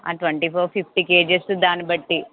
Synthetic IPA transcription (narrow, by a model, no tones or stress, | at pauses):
a̰ːʈʋɐɳʈipʰoːɾpʰipʰʈikeːd͡ʒesd̪aːnibɐʈːi